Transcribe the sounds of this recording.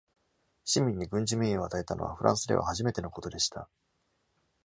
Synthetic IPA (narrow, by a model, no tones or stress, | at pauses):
ɕimʲĩɲ̟ːiɡɯ̟̃ɲ̟d͡ʑimʲeo̞at̪ae̞t̪ano̰β̞a̰ɸɯ̟ɾʔã̰ɰ̃sɨd̪e̞a̰haʑime̞t̪e̞no̞ko̞t̪o̞d̪e̞ɕi̥t̪ʰa̰